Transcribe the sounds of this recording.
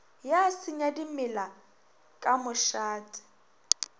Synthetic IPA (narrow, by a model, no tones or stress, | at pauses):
jasɪɲadimɪla | kʼamʊʃaːtʼɪ̥